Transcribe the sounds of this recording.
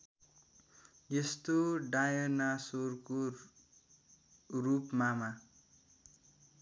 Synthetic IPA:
jest̪oɖajʌnasorko | rupmama

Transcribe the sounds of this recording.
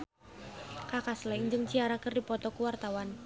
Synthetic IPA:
kakaslɛɲd͡ʒəŋt͡ʃiaɾakərdipɔt̪ɔkuwart̪awan

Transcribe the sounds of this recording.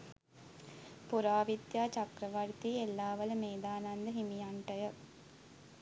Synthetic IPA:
puɾaːʋid̪jaːt͡ʃɐkɾəʋaɾt̪iːelːaːʋɐləmeːd̪aːnand̪əɦimijaɳʈəjə

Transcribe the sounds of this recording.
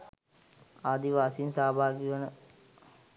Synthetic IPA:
aːd̪iʋaːsinsaːbʱaːkiʋənə

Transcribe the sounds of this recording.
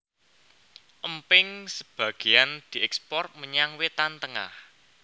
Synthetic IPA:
ʔəmpɪŋsəb̥ä̤ɡ̥e̤and̪̥i̤ʔɛkspɔrt̪̚məɲaŋwet̪ant̪əŋa̰h

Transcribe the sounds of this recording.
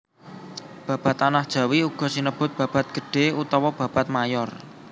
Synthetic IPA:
b̥a̤b̥a̤t̪anahd̥ʒ̥a̤wiuɡ̥ɔ̤sinəb̥ʊ̤t̪̚b̥a̤b̥a̤t̪̚ɡ̥ə̤ɖ̥e̤ut̪ɔwɔb̥ä̤b̥a̤t̪̚majɔr

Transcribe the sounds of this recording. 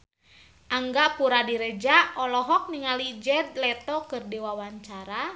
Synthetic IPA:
ʔaŋɡapuɾadiɾɛd͡ʒaɔlɔɦɔk̚niŋalid͡ʒɛd̪̚lɛt̪ɔkɨrdiwawaɲt͡ʃaɾa

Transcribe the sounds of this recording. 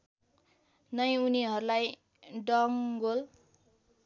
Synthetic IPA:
nʌjuniɦʌɾulaj | ɖʌŋɡol

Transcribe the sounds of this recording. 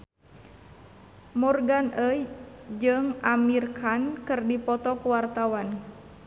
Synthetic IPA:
murɡanʔəjd͡ʒɨŋʔamirkʰankɨrdipɔt̪ɔkuwart̪awan

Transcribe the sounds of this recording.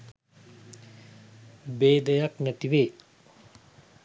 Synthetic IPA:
bed̪əjak̚nɛt̪iwe

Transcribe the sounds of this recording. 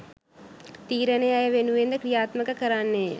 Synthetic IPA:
t̪iːɾɐneajɐʋenuʋeːnd̪ɐkɾijaːt̪mɐkɐkɐɾaːnːe

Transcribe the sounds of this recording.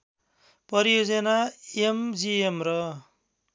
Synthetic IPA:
pʌɾijod͡zʌnaemd͡ziemrʌ

